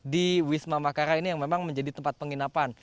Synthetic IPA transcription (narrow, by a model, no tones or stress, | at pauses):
diwismamakaɾainijaŋmemaŋməɲd͡ʒadit̪əmpat̪̚pəŋinapan